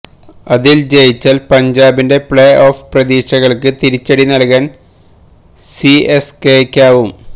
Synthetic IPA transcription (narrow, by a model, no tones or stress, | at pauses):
ɐðilt͡ɕejit͡ɕːaːlpɐɲd͡ʑaːbinde̞pɭeʔoːfprɐðiːʂɐɣɐɭkɨt̪iɾit͡ɕːɐɽinɐlkaːn | sieskeːkʲːaːʋum